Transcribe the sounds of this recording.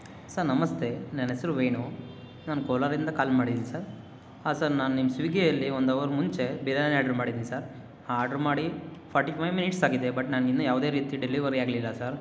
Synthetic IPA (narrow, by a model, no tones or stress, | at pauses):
saɾnɐmɐst̪ʰe̞nɐnesɐɾuʋeːnu | naːnukoːlaɾind̪ɐkaːlmaːɽid̪inisaɾ | aːsɐɾnaːnunimːɐsuʋiɡejɐlːiond̪ɐʋɐɾmuɲt͡ʃe̞biɾeanaːɖɐɾmaːɽid̪inisaɾ | aːɾɖɐɾmaːɽipʰaːɾʈːipʰɐjʋminiʈsaːɡid̪ebɐʈnaːnɡinujaːʋd̪e̞ːɾiːt̪iɐɖeliʋɐɾiaːɡlilːɐsaɾ